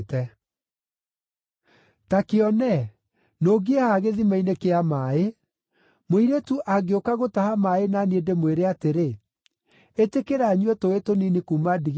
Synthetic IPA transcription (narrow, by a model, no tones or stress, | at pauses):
tɛ | takeɔnɛ | noːɡeehaɣeðimainekeamae | moiɾetuʔaɡeokaɣotahamaenaniedemweɾeateɾe | etekeɾaɲwɛtoetoninikuːmadiɣ